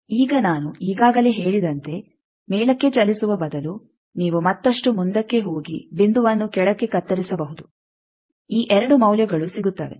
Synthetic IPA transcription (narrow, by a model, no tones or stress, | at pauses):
iːɡɐnaːnuiːɡaːɡɐle̞ːɦe̞ːɭid̪ɐnt̪e̞ | mɛːɭɐkːe̞t͡ʃɐlisuʋɐbɐd̪ɐlu | niːʋumɐt̪ːɐʂʈumund̪ɐkːe̞ɦo̞ːɡḭbind̪uʋɐnːukɛɽɐkːe̞kɐt̪ːɐɾisɐbɐɦud̪u | iːʔɛɾɐɽumɐwljɐɡɐɭusiɡut̪ːɐːʋe̞̰